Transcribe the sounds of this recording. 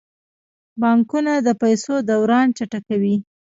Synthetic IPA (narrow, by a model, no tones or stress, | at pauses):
bɑŋkunad̪əpajsod̪awɾɑnt͡ʃaʈakawi